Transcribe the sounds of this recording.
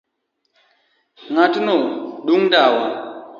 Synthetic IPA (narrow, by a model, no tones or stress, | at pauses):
ŋatnoɗuŋdawa